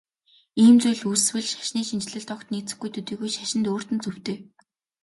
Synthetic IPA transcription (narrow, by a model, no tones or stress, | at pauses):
iːmt͡sujɮus̆swɘ̆ɮʃḁʃniːʃint͡ɕɪ̆ɮɘ̆ɬt̪ʰɔkt̪niːt͡sɘ̆xɡujt̪ʰɵt̪iːɣujʃaʃɪ̆nt̪oːr̥t̪ɘ̆nt͡sɵw̥t̪eː